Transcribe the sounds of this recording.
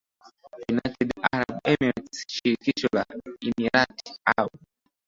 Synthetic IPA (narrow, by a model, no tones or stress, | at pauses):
junajtʰɛdaɾabɛmiɾtsʃiɾkit͡ʃɔlaimiɾata